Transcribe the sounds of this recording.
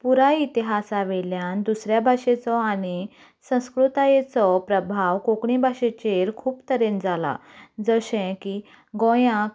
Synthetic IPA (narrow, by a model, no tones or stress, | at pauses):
puɾait̪iɦasaʋɛljand̪usɾjabʱaʂet͡sɔañi | sə̃w̃skɾut̪ajet͡sɔpɾəbʱaʋkokɳibʱaɕet͡ɕeɾkʰuːpt̪əɾend͡zala̰d͡zəɕɛ̃ki | ɡɔ̃jã